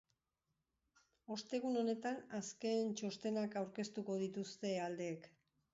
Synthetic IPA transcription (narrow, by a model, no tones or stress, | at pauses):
o̞st̪e̞ɣ̞uno̞ne̞t̪anaske̞nt͡ʃo̞st̪e̞nakawɾke̞st̪uko̞ð̞it̪ust̪e̞ald̪e̞ːk